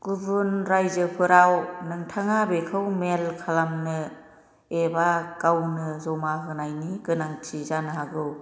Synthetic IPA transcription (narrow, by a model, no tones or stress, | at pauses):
ɡ̥ubunɾajzɯpʰɯɾawnɯŋtʰaŋabekʰɯwmelkʰalamnɯ | ebakawnɯzɔmaɦɯnajniɡɯnaŋtʰizanɯɦaɡɯw